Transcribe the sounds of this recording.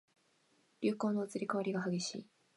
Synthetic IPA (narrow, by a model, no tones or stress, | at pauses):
ɾʲɨːko̞ːno̞ːt͡sɨɾʲikaβaɾʲiɡaɦaɡʲe̞ɕḭː